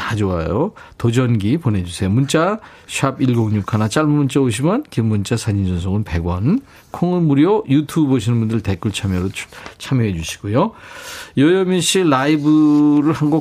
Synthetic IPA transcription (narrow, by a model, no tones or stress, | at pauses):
tad͡ʑoajotod͡ʑʌnɡipone̞d͡ʑusʰe̞jomunt͡ɕ͈a | ɕʰiabiɭɡoŋɲukʰanat͡ɕ͈aɭmunt͡ɕ͈aoɕ̬ʰimankimːunt͡ɕ͈asʰaɲind͡ʑʌnsʰoɡɯnpe̞ɡwʌn | kʰoŋɯnmuɾjojutʰuboɕʰinɯnbundɯɭte̞k͈uɭt͡ɕʰamjʌɾot͡ɕʰamjʌɦed͡ʑuɕʰi̥ɡ̥ojo | jʌjʌmjʌɕ͈ʰiɭːaibɯɾɯɭhanɡo